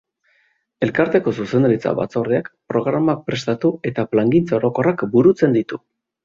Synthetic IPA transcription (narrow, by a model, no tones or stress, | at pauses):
e̞lkaɾt̪e̞ko̞suse̞nd̪aɾit͡sa̰βa̰t͡so̞reakpɾo̞ɣɾamak̚pɾe̞st̪at̪ue̞t̪aplaŋɡint͡sao̞ɾo̞ko̞rakbuɾut͡se̞nd̪it̪u